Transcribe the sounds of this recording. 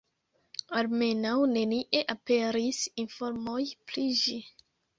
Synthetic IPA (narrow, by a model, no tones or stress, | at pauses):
alme̞nawne̞niʔe̞ʔapeɾisinfoɾmojpliʒi